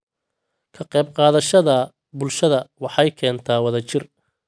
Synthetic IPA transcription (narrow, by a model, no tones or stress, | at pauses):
kʰɐqɛjbqɑːðɐʃɐðɐ | bʊlʃɐðɐwɑħɑjkʰɛːnt̪ʰaːwɐðɐt͡ʃɪr